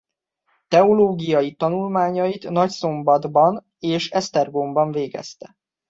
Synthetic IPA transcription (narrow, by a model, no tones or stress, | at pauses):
t̪ɛoloːɡijɒjit̪ɒnulmaːɲɒjit̪nɒcso̞mbɒd̪bɒn | eːʃɛst̪ɛrɡombɒɱveːɡɛ̰st̪ɛ̥